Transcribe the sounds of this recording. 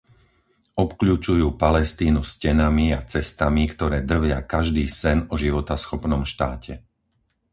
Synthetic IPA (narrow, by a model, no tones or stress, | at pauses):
ʔɔpkʎuːt͡ʃujuːpalɛst̪iːnuscɛnamiat͡sɛst̪amikt̪ɔɾɛːd̪r̩ʋɪakaʒd̪iːsɛnɔʒiʋɔt̪asxɔpnɔmʃt̪aːcʰɛ